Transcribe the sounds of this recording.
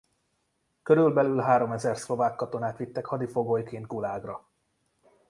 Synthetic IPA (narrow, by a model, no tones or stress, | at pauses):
køɾylbɛlylɦaːɾo̞mɛzɛrslo̞vaːkːɒt̪o̞naːt̪ʋit̪ːɛkhɒd̪ifo̞ɡoːjkeːnt̪̚ɡulaːɡrɒ